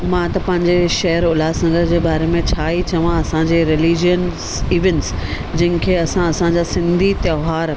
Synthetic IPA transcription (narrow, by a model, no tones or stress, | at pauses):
mãt̪ɐpɐ̃ɦɪ̃ɲd͡ʑeʃɐɦəɾʊlaːsɐ̃ŋɡəɾd͡ʑeːbaːɾemẽt͡ɕʰaːit͡ɕɐʋãɐsãd͡ʑeːɾɪliːd͡ʑijənsiːʋẽnʈs | d͡ʑɐ̃ɦɪ̃nkʰeːɐsãɐsãɲd͡ʑaːsɪ̃nd̪ʱit̪joːɦaːɾ